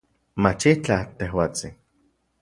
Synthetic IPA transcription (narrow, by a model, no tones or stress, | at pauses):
mat͡ʃit͡ɬat̪ehwaːt͡sin